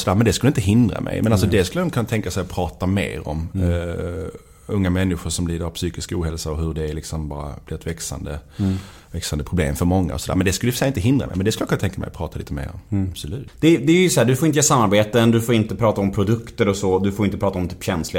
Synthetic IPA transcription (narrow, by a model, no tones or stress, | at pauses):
sɔd̪æːɾmɛnd̪ɛskɵlːəɪnt̪əɦɪnd̪ɾa̰mʔɛ̰jmɛnalsɔd̪ɛskɵləjɔkʰɵnt̪ʰɛŋkasɛjpʰɾɑːt̪amḛːɾɔ̰m | ɵŋːamɛnːɪɧʊɾʂɔmliːd̪əɾavpsyːkɪskauːhɛlsaɔɦɵɖɛːlɪksɔmbɑːɾa̰b̥lɪɾɛt̪vɛksa̰nd̪ə̰ | vɛksand̪əpʰɾʊblḛːmfœɾmɔŋːa̰ɔsɔd̪æ̰ːɾmɛnd̪ɛskɵlːəfəʂɛjɪnt̪əɦɪnd̪ɾamʔɛ̰jmɛnd̪ɛskljakʰɵnat̪ʰɛŋkamɛ̰jpʰɾɑːt̪aliːt̪əmḛːɾɔ̰mbsɔlʉ̟ːt̪d̪̥ɛd̪ɛjjsɔæːɖɵfoɾɪnt̪əjːsamːaɾbeːt̪ənd̪ɵfoːɾɪnt̪əpʰɾɑːt̪aɔmpʰɾʊd̪ɵkt̪əɾɔsɔd̪ɵfoɾɪnt̪əpʰɾɑːt̪aɔmt̪ʰy̥ːpɕɛnslɪ